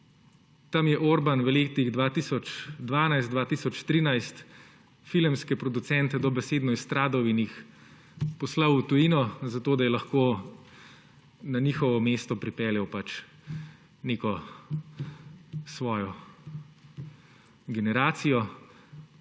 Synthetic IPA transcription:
t̪amjɛʔoɾbanʋəleːt̪iɣd̪ʋaːt̪iːsɔt͡ʃd̪ʋaːnajst̪d̪ʋaːt̪iːsɔt͡ʃt̪ɾiːnajst̪ | filɛmskɛpɾɔd̪usɛnt̪ɛd̪ɔbɛseːd̪nɔjst̪ɾaːd̪ɔwinjix | pɔslawut̪ujiːnɔzat̪oːd̪ajɛlɐxkoː | naniːxɔʋɔmeːst̪ɔpɾipɛːljɛwpat͡ʃ | neːkɔ | sʋɔːjɔ | ɡɛnɛɾaːt̪sijɔ

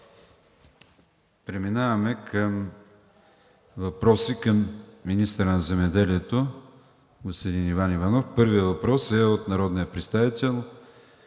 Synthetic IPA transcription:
pɾɛminavɐmɛkʰəm | vɐpɾɔsikəmːinist̪əɾənɐzɛmɛd̪ɛliɛt̪o | ɡospod̪inivanivɐnɔfpɤɾvijəvɐpɾɔsɛot̪nɐɾɔd̪nijəpɾɛt̪st̪avit̪ɛlˠ

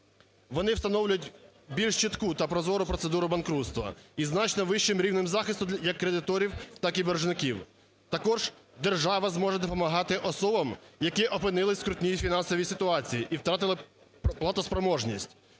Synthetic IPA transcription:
ʋɔnɪwst̪ɐnɔwlʲʊjʊtʲbʲilʲʃt͡ʃit̪kut̪ɐpɾɔzɔɾʊpɾɔt̪sed̪uɾʊbɐnkɾut̪st̪ʋɐ̰iznɑt͡ʃnɔʋɪʃt͡ʃɪmɾʲiwnɪmzɑxɪst̪ʊjɐkːɾed̪ɪt̪ɔɾʲiwt̪ɑkiberʒnɪkiw | t̪ɐkɔʒ̥ | d̪erʒɑʋɐzmɔʒɛd̪ɔpɔmɐɦɑt̪ɪʔɔsɔbɐmjɐkɪʔɔpɪnɪlˠɪsʲkɾʊtʲnʲijifʲinɑnsɔʋʲisɪt̪ʊɑt͡sʲijiʔiwt̪ɾɑt̪ɪlˠɪ | plˠɐt̪ɔspɾɔmɔʒnʲisʲtʲ

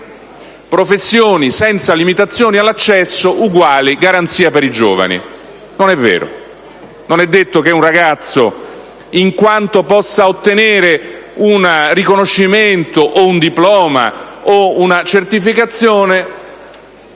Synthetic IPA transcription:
pɾofesːjoːnisɛnt̪salimit̪at̪sːjoːnialːat͡ʃːɛsːoʔuɡwaːliɡaɾant̪siːapeɾid͡ʒo̰ːva̰nḭ | nonɛvːḛːɾo̰ | nonɛd̪ːet̪ːok̟eunraɡat̪sːo | iŋkwant̪opɔsːaot̪ːeneːɾeunrikonoʃːiment̪oʔound̪iplɔːma̰ounat͡ʃert̪ifikat̪sːjoːne

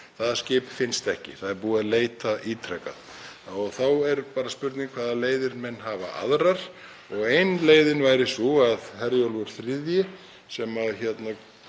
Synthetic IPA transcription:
θaðascɪːpfɪnst̪ɛhcɪ̰θaðɛɾpuːaðleːjt̪aʔiːt̪ʰɾɛka̰ð | ɔɣθawɛɾpaːɾaspʏɾt̪nɪŋkʰvaːðaleːjðɪɾmɛnːɦaːva̰ʔa̰ðɾaɾ̥ | ɔɣejnleːjðɪnvaːjɾɪsuaðɦɛɾjowlvʏɾ̥θɾɪðjɪ | sɛmaðçɛt̪na

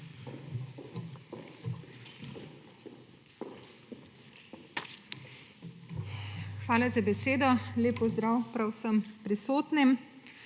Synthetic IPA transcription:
xʋaːlazabɛseːd̪ɔleːpɔzd̪ɾaːwpɾawsəmpɾisoːt̪nim

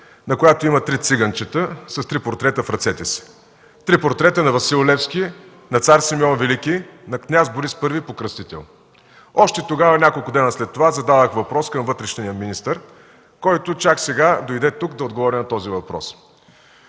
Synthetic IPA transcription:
nɐkojat̪oimɐt̪ɾit̪siɡənt͡ʃət̪əsɐst̪ɾipoɾt̪ɾɛt̪əfɾɐt̪sɛt̪ɛsi̥ | t̪ɾipoɾt̪ɾɛt̪ənɐvɐsilˠolɛfskʲi | nɐt̪saɾsimiɔnvɛlikʲinɐknʲazbʊɾispɤɾvipokɾəst̪it̪ɛ̰lˠ | ɔʃt̪ɛt̪oɡavɐnʲakolˠkʊd̪ɛnəslɛt̪ːovazɐd̪ad̪əxvɐpɾɔskɐmvɤt̪ɾɛʃnnijəminist̪əɾ | kɔjt̪ʊt͡ʃaksɛɡad̪oid̪ɛt̪ukd̪ɐod̪̚ɡovɔɾʲinɐt̪ɔzivɐpɾɔ̰s

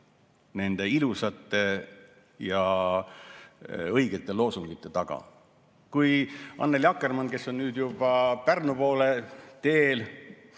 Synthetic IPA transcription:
ne̞nd̪̥e̞ilusɑt̪ːˑe̞ | jɑ | ɤjɡ̥e̞t̪ːˑe̞lo̞ːsuŋɡ̥it̪ːˑe̞t̪ɑɡ̥ɑ̰ | kujʔɑ̰nːeljɑkːˑe̞rmɑnke̞sːo̞nnyːd̪jub̥ɑpærnupo̞ːle̞t̪e̞ːl

